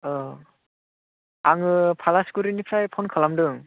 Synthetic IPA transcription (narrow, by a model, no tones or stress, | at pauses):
ɔ | aŋɯpʰalaskuɾinipʰɾajpʰɔnkʰɯlamdɯŋ